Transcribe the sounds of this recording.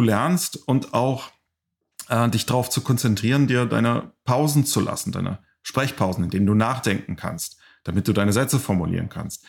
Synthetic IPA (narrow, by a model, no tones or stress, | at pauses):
duːlɛɐnstʊntaʊx | ʔɛːdɪçd̥aʁaʊft͡sukʰɔnt͡sɛntʁ̥iːʁ̞əndiːɐda̰ɪnə̰pʰaʊzn̩t͡sulʔa̰sn̩da̰ɪnə̰ | ʃpʁ̥ɛçpʰaʊzn̩ɪndeːnənduːnaːχd̥ɛŋkŋ̩kʰa̰nst | d̥amɪt̚d̥uːdaɪnəzɛt͡səfɔɐmulḭːʁənkʰa̰nst̚